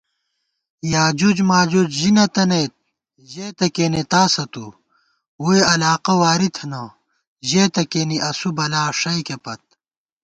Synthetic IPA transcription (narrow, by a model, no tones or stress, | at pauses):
jaːd͡ʑud͡ʑmaːd͡ʑud͡ʑʑinɐt̪ɐnejt̪̚ | ʑeːt̪ɐkeːnet̪aːsɐt̪u | wueɐlaːqɐwaːɾit̪ʰɐnɐ | ʑeːt̪ɐkeːniʔɐsubɐlaːʂɐjkepɐt̪̚